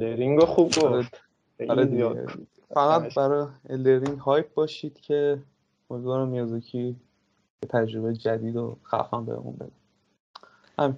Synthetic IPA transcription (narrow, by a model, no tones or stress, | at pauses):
leɾiŋɡoxubɡoɾe | ɒɾed̪iḛ | fæɣæt̪bæɾɒeld̪eɾiŋɟhɒjp̚ʰbɒːʃiːd̪̥cʰe | moɒːɾæmjɒzocʰi | bet̪ʰæd͡ʒɾo̞bejed͡ʒæd̪iːd̪oxæ̰fæmbḛɾḛʔṵnbed̪æ | hæmi